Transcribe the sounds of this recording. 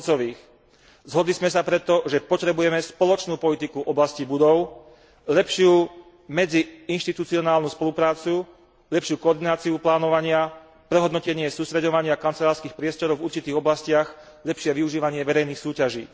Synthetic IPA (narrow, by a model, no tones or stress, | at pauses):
t͡sɔʋiːx | zɦɔd̪lizmɛs̬apɾɛt̪ɔʒɛpɔt̪ɾɛbujɛmɛspɔlɔt͡ʃnuːpɔlit̪ikuʔɔblascibud̪ɔʊ | ʎɛpʃɪu | mɛd͡ziinʃt̪it̪ut͡siɔnaːlnuːspɔlupɾaːt͡su | ʎɛpʃɪuːkɔːɾd̪inaːt͡siuplaːnɔʋaɲɪa | pɾɛɦɔd̪nɔcɛɲɪɛsuːst̪ɾɛdɔʋaɲɪakant͡sɛlaːɾskiːxpɾɪɛst̪ɔɾɔʊvuɾt͡ʃit̪iːɣɔblascɪaɣ | ʎɛpʃɪɛʋiuʒiːʋaɲɪɛʋɛɾɛjniːxsuːcaʒḭː